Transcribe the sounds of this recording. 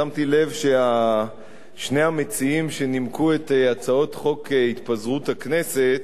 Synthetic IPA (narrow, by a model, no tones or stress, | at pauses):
amtile̞vʃea | ʃne̞jhame̞t͡siimʃe̞nimkuet̪at͡sao̞tχo̞keit̪pazʁuthakne̞se̞t̪